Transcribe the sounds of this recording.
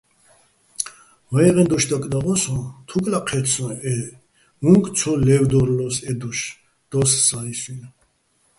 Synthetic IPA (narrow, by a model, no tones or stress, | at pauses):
vajʁɛnd̪ɔʃd̪akʼd̪aʁɔsɔ̃t̪ʰukʼlaqʰɛɾsʰɔ̃ɛ | uŋkʼt͡sʰɔlɛvd̪ɔɾlɔsɛd̪ɔʃ | d̪̥ɔssaisin